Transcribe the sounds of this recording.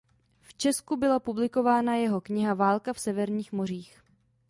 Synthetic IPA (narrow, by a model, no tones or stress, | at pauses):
ft͡ʃɛskubɪlapublɪko̞vaːnajɛɦo̞kɲɪɦavaːlkafsɛvɛɾɲiːxmo̞r̝iːx